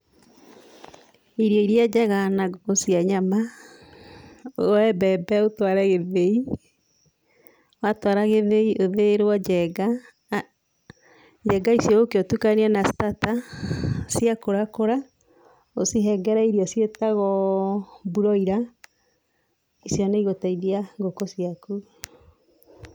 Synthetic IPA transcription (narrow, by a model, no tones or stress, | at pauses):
iɾjɔiɾjad͡ʒɛɣanaosiaɲama | ɛbɛbɛotwaɾɛɣeðei | watwaɾaɣeðeiʔoðeɾwɔɛɡa | d͡ʒɛɡaisijɔokeotukanianastata | siakoɾakoɾa | osiɦɛɡɛɾaiɾiɔsjetaɣɔ | buɾɔiɾa | isjɔneiɣotaiðiaŋɡokosiaku